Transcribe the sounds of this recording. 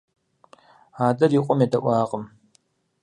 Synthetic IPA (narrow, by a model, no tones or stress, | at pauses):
aːdɐriːqʷʼɔmjedɐʔʷɑːqʼəm